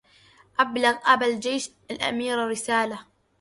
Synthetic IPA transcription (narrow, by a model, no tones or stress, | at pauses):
ʔablaɣʔabald͡ʒejʃ | alʔa̰miːɾarɪsaːla